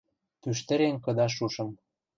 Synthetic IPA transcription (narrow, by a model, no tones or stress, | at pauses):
pyʃ̬t̪ə̆ɾeŋkɤ̆d̪ɑʃ̬uʃɤ̆m